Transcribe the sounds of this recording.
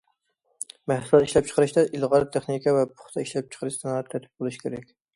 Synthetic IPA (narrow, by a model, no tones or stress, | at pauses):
mɛhsulˠɑt̪iʃlɛp̚t͡ʃʰə̥qəɾɨʃt̪ɛʔilˠʁɑɾt̪ʰeχnikʰʲɑvɛpʰʊ̥χt̪ʰɑiʃlɛp̚t͡ʃʰə̥qʰəɾɨʃsɨnt̪ʰːɛt̪ʰɪ̥p̚bolˠuʃkʲʰeɾɛkʲ